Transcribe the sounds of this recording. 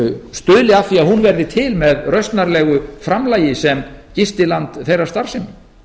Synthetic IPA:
st̪ʏːlɪafiaðhunvɛɾðɪt̪ʰɪlmɛðrœɥst̪naɾlɛːɣʏfɾamlaːjɪsɛmcɪst̪ɪlant̪θejrḁst̪aɾ̥sɪn

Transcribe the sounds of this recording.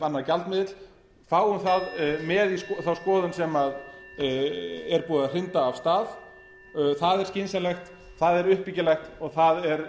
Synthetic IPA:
vanːacalt̪mɪːðɪt̪l | faːwʏmθaðmɛːðiskθawskɔːðʏnsɛmað | ɛɾpuːðar̥ɪnt̪aːv̥st̪aːð | θaðɛɾscɪnsɛnlɛxt̪ | θaðɛɾʏhpːicɪlɛxt̪ɔɣθaðɛɾ

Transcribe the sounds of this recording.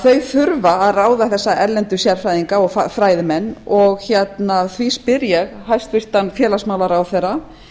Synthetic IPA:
θœɥfʏɾvaːðraːwðaθɛsːaʔɛɾlɛnt̪ʏsjaɾ̥fɾajðiŋkaɔɣfafɾaːjðɪmɛnːɔɣçɛt̪naθvispɪɾjɛɣɦajst̪fɪr̥t̪anfjɛːlasmaːwlaɾawθɛrːa

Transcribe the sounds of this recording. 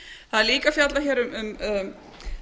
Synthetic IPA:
θaðɛɾliːkafjat̪laçɛːɾʏmʏm

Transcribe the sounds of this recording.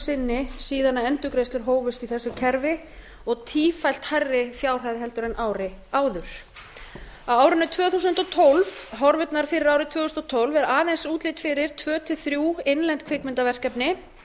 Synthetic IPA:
sɪnːɪsiːðanaɛnt̪ʏkɾejst̪ʏɾ̥ɦoːwvʏst̪iθɛsːʏcʰɛɾvɪ | ɔɣt̪ʰiːfajl̥t̪harːɪθjaːwr̥hajðɪɦɛlt̪ʏɾɛnʔaːwɾɪaːwðʏɾ̥ | awaːwɾʏnʏt̪ʰvœːθuːsʏnt̪ɔt̪ʰolvɦɔɾvʏt̪naɾ̥fɪɾɪɾaːwɾɪt̪ʰvœːθusnɔt̪ʰowlvɛɾaːðɛnsuːt̪lɪt̪fɪɾɪɾ̥t̪ʰvœːt̪ʰɪθɾjuːejnlɛnt̪̚kʰvɪkmɪnt̪avɛr̥kɛpnɪ

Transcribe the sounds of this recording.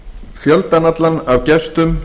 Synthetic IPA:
fjœlt̪anat̪lanawcɛst̪ʏm

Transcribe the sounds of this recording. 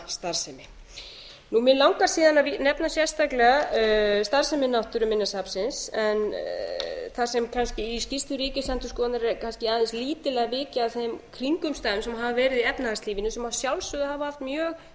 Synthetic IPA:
st̪aɾ̥sɛmɪ | numɛlawŋkasiːðanavnɛpnasjɛ̥st̪aklɛɣast̪aɾ̥sɛmɪnawht̪ʏɾʏmɪnːasapsɪnsɛn | θasɛmkʰanscɪiscist̪ʏɾiːcɪsɛnt̪ʏskɔːnaɾkʰanscɪaðɛnsliːt̪ɪlɛɣavɪːcɪaðθejmkʰɾiŋkʏmst̪aːðʏmsɛmɦavavɛːɾɪðiɛpnaast̪liːvɪnʏsɛmhavsjawlsʏðʏhavaaft̪mjœːɣ

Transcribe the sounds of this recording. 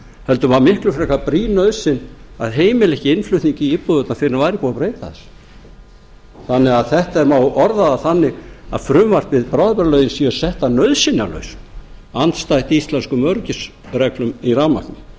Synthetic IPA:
hɛlt̪ʏvamɪhklʏfɾɛkapɾiːnœðsɪnaðɦeːjmɪlɛhcɪɪnflʏɥht̪niɲcɪipːɔðœt̪nafɪɾɪnavajɾɪpuɣapɾeːjt̪aðɛs | θanːɛɣaðθɛht̪aɛɾmawɔɾðaðaθanːɪɣa̰ðfɾʏmvar̥t̪vɪðpɾawðpɛɾalœɥðɪnsiɣasɛht̪anœðsɪnːalœ̰ɥsant̪st̪ajht̪ist̪lɛnskʏmœɾcɪs | rɛklʏmiraːma̰knɪ

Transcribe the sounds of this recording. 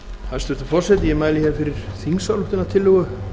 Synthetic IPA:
θaðɛɾst̪ʏft̪ʏfɔr̥sɛt̪jɛmaːjlɪhɛvɪfɪɾɪɾ̥θiŋsawluht̪ɪnat̪ʰɪlːʏɣʏ

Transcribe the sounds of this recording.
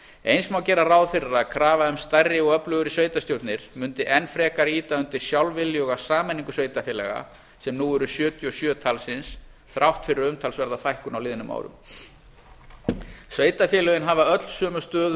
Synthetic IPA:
ejnsmawcɛːɾarawðfɪrːakʰɾaːvaʏmst̪ajrːɪɔɣœplœɣʏɾɪsveːjt̪ast̪jowt̪nɪɾ̥mʏnt̪ɪʔɛnfɾɛːkaɾiːt̪aʏnt̪ɪɾ̥sjawlvɪljɔɣasaːmɛniŋkʏsveːjt̪afjɛːlɛɣa̰ | sɛmnuːɛɾʏsjœːt̪ʰjɔsjœːt̪ʰalsɪns | θɾʔawht̪fɪɾɪɾʏmt̪ʰalsvɛɾðafajhkʏnawlɪːðɪnʏma̰ːwɾʏ̰m | sveːjt̪afjɛːlɛɣɪnɦavaœt̪l̥sœːmʏst̪œːð

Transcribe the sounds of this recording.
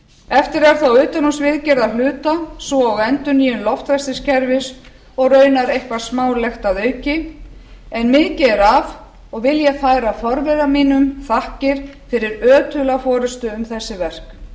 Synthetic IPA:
ɛft̪ɪɾɛɾ̥θawʏːt̪anusvɪðcɛɾðalʏːt̪asvɔaɣɛnt̪ʏniːjʏnlɔft̪ɾast̪ɪscʰɛɾvɪs | ɔɣrœːɥnaɾejhkvaɾ̥smaːwlɛxt̪aðœːɥcɪ | ɛnmɪðcɪɛɾav | ɔɣvɪljɛɣfaːjɾafɔɾvɛɾamiːnʏmθahcɪɾ̥fɪɾɪɾœːt̪ʏlafɔːɾʏst̪ʏʏmθɛsːɪvɛr̥k

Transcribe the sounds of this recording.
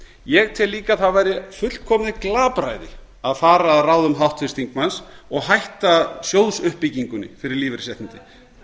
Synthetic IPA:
jɛɣt̪ʰɪlːiːkaθaðvajɾɪfʏl̥kʰɔːmnðɪklaːpɾa̰jðɪ̰ | aðfaːɾaːðraːwðʏmɦawht̪fɪst̪iŋkmansɔɣɦajht̪asjoːwðsʏhpːɪciŋkʏnːɪ̰fɪɾɪɾliːvɪɾsɛht̪ɪnt̪ɪ

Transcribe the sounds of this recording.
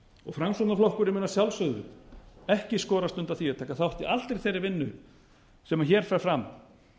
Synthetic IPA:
ɔ̰ɣfɾamsut̪naflɔhkʏɾɪmɪːnːasjawlsœɣðɾʏ̰ɛhcɪskɔːɾast̪ʏnt̪aθiaðt̪ʰaːkaθawht̪iʔalt̪ɾejθejɾːɪɾvɪnːʏ | sɛmaçɛːɾ̥fɛɾ̥fɾam

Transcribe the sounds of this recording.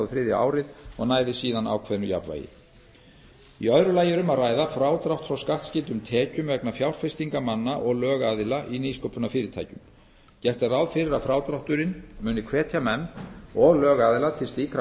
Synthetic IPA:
ðfɾɪːðj̰a̰ːwɾɪðɔɣnaːjðɪsiːðana̰ːwkʰvɛðnʏja̰pva̰jɪ̰ | iœɥɾʏlaːjɪɾʏmaðraːjðafɾaːwt̪ɾawht̪fɾawskaht̪scɪlt̪ʏmt̪ʰɛːcʏmvɛknafjawr̥ɾ̥fɛst̪iŋkamanːaʔɔɣlœːɣaːðɪlaʔiniskowpʏnafɪːɾɪt̪ʰa̰jcʏm | cɛr̥t̪arawðfɪɾɪɾafɾawt̪ɾawht̪ʏɾɪnmʏːnɪkʰvɛːt̪ʰjamɛnːɔɣlœːɣaːðɪlat̪ʰɪlst̪iːk

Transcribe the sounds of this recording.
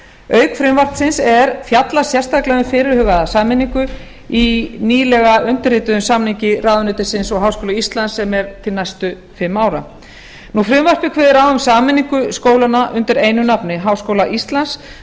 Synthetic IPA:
œːɥkfɾɪmvar̥t̪sɪnsɛɾfjat̪lasjɛr̥st̪ʰaklɛðʏmfɪːɾɪɾ̥hʏːɣaðasaːmɪnːiŋkʏ | iniːlɛɣaʏnt̪ɪrɪːt̪ʏðʏmsamniɲcɪraːðʏnʏːt̪ɪsɪnsɔɣɦaːwskowlaist̪lansːɛmɛɾt̪ʰɪlnajst̪ʏ | fɪmːaːwɾa | nufɾɪmvar̥pɪkʰvɪːðɪɾawʏmsaːmɪnːiŋkʏskoːwlanaʔʏnt̪ɪɾejnʏnapnɪɦaːwskowlaʔist̪lans

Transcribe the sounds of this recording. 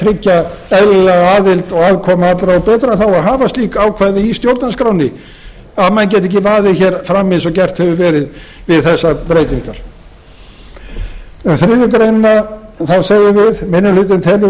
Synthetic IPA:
t̪ʰɾɪcːaɛðlɪlɛɣaːðɪlt̪ɔɣaːðkʰɔmaat̪lɾaɔpɛːt̪ɾaθawaɦaːvast̪liːkawkʰvaːðɪist̪jowɾt̪nanskɾawnɪ | aðmɛnc̬ɛt̪̬ɛc̬ɪvaːðɪçɛɾfɾamːɪnsɔɣcɛr̥t̪hɛvʏvɛːɾɪðvɪðθɛsːapɾeːjt̪iŋkaɾ̥ | ɛnθɾɪːðʏkɾejnɪnːaθaðsaːɣjʏvɪðmɪnːʏlʏt̪̬ɪnt̪ʰɛlvɪ

